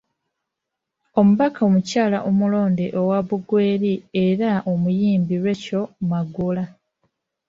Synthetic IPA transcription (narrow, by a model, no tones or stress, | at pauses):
o̞muβakaomucaːla̰ʔomulo̞ːndeʔowaβuɡwe̞ːɾieɾaomujiːmbiɾwe̞co̞maɡula